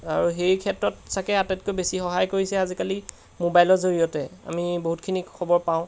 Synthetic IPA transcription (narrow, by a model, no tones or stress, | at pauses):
aɹuɦejkʰɛtɹɔtsakɛatɛt̚kojbesixɔɦajkoɹisɛazikali | mobajlɔzoɹijɔtɛa̰miboɦutkʰinikʰɔbɔɹpaʊ̃